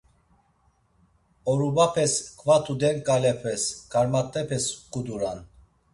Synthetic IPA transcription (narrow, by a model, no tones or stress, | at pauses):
ɔɾubapʰɛskʰʼvat̪ʰud̪ɛɾkʼalɛpʰɛskʰaɾmat̪ʼːɛpʰɛskʼud̪uɾan